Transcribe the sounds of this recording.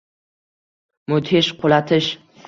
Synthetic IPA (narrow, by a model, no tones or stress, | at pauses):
mʊt̪ʰeʃqʰolat̪ʰɪʃ